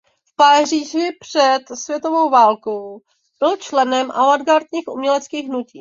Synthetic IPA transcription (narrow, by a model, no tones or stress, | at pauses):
fpariːʒɪpr̝̥ɛt̪svjɛt̪ovo̞wvaːlkow | b̥ɪlt͡ʃlɛnɛmʔa̰vadɡaɾt̪ɲiːxʔṵmɲɛlɛt͡skiːɣɦnuciː